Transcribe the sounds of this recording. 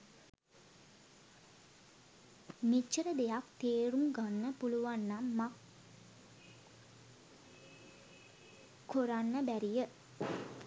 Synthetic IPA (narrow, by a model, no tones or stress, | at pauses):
mit͡ʃːəɾəd̪ejakt̪eːɾuŋɡanːəpuluʋanːamːa | koɾanːəbæɾijə